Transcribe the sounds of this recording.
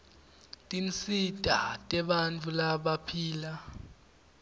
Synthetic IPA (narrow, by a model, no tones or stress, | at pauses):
tʼint͡sʰʼitʼatʼɛɓant͡fʰʼulaɓapʰiːla